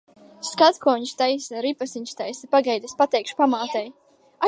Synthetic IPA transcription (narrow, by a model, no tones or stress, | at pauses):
skat̪kɔɲʃt̪ajsaɾipasiɲʲʃt̪ajsapaɡɛjd̪ʲespat̪ɛjkʃpamaːt̪ɛj | a